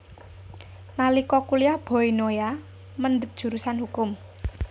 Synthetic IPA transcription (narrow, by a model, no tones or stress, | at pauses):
nalikɔkuliab̥ɔ̤inoja | mənɖət̪̚d̥ʒ̥ṳɾusanhukʊm